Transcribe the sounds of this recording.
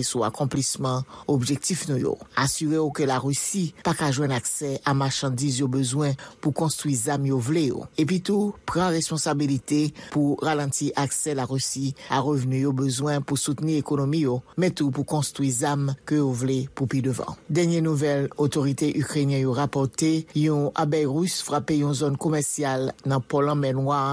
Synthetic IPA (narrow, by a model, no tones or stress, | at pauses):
sua̰kɔ̃plismɑ̃obʒɛk̚t̪ifnũjo̰asyʁeokəlaʁysipakaʒwɛ̃naksɛamaʁʃɑ̃d̪izjobøzwɛ̃pukɔ̃st̪χwizamjovlejo̰ep̬ɥit̪upʁɑ̃ʁespɔ̃sabilit̪epuʁalɑ̃t̪iʔaksɛlaʁysiaʁəvnyjobøzwɛ̃pusut̪niʁekonomijomɛt̪upukɔ̃st̪ʁwizamkøjovlepupid̪øvɑ̰̃d̪ɛʁnjenuvɛlot̪oʁit̪eʔykʁenjɛ̃joʁapɔʁt̪ejɔ̃a̰bɛjʁysfʁapejɔ̃zonkomɛʁsjalnɑ̃pɔlɑ̃mɛnwa